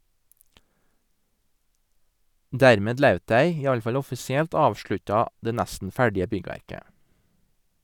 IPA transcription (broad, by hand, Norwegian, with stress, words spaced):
ˈdæɾmeːd ˈlœʉt ˈdæɪ ˈiː ˈɑl ˈfɑl ˈɔfɪsɪɛlt ˈɑːʋʃɭʉtɑ ˈdeː ˈnæstn̩ ˈfæɖɪə ˈbʏɡʋæɾkə